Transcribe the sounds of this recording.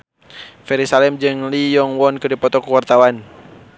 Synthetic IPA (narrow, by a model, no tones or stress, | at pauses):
fɛɾisalɛmd͡ʒɨŋlijɔŋwɔnkɨdipɔt̪ɔkuwart̪awan